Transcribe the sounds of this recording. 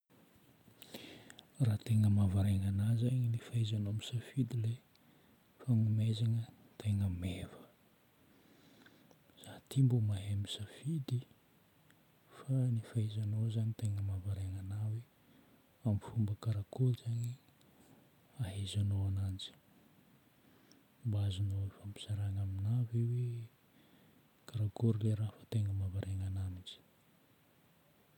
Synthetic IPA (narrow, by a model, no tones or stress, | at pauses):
raːt̪eŋəmavaɾeŋanazaɲinifaizanoamisafid̪ile | faŋumezaŋə | t̪ʰeŋəmevə | z̥at̪ʰimbumaɦemisafid̪i | fanifaizanozanit̪eŋəmavaɾeŋanawe | amifumbəkaɾakoɾizaɲi | aɦezanoanand͡zi̥ | mbazanoefampi̥z̥aɾaŋaminavewe | kaɾakoɾileɾafḁt̪eŋəmavaɾʔeŋanamid͡ʒi̥